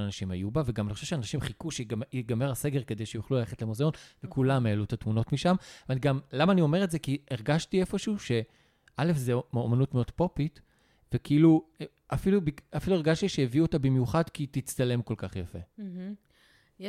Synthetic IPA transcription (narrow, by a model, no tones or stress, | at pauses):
nanaʃimajubaveɡamaniχoʃevʃeanaʃimχikuʃeiɡame̞ʁase̞ɡe̞ʁke̞d̪e̞jʃejuχlulaleχetlemozeo̞nvekulamelut̪atmuno̞tmiʃamvaniɡamlamaːnio̞me̞etze̞kieʁɡaʃtie̞foʃuːʃe̞ | ʔale̞fzeomanutmeo̞dpo̞pit | vekiilu | afilubiafilue̞ʁɡaʃtiʃeeviuot̪abimjuχadkitit͡st̪ale̞mko̞lkaχjafe̞̰